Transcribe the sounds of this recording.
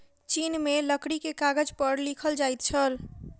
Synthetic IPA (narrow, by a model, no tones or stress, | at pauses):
t͡ʃinmeləkɽikekaɡəd͡ʒpəɾlikʰəld͡ʒajt̪t͡ʃʰəl